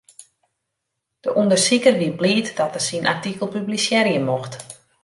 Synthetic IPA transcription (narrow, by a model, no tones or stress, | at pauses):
d̥əʔundərsikərʋibliːtdɔtəsinʔartikəlˠpyblisjɛɾjəmoxt